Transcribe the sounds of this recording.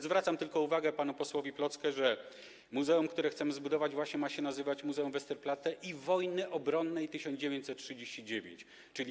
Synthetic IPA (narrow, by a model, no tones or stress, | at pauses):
zvɾat̪samt̪ɘlkɔuvaɡɛpanupɔswɔvʲiplɔt̪skɛʐɛ | muzɛumkt̪uɾɛxt̪sɛmɘzbud̪ɔvad͡ʑvwaɕɲɛmaɕɲɛnazɘvat͡ɕmuzɛumvɛst̪ɛɾplat̪ɛʔivɔjnɘʔɔbɾɔnːɛjt̪ɘɕɔnd͡ʑevjeɲt͡ɕsɛt̪̚tʂɘd͡ʑeɕt͡ɕid͡ʑevʲḛɲt͡ɕ | t͡ʂɘlʲi